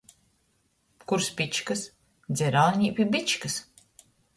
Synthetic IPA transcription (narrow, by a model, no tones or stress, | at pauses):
kuɾspit͡ʃkɨs | d̪zʲɛɾalˠɲʲipʲibit͡ʃkɨs